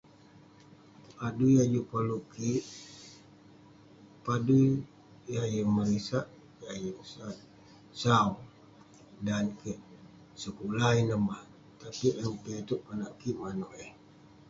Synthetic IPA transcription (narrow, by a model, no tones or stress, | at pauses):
adujad͡ʒupaluʔkiʔ | padu | jajəmaɾisaʔ | jajəsa | sau | dankeʔ | səkulainəma | t̪apiʔʔəmpet̪uʔkanaʔkiʔmanoʔeh